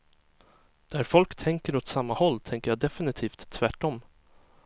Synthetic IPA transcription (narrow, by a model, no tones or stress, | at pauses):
d̪̥æɾfɔlkt̪ʰːɛŋkəɾɔt̪samːahɔlːt̪ʰɛŋkəɾjaːd̪ɛfɪnɪt̪ʰiːft̪ʰːvæʈːɔm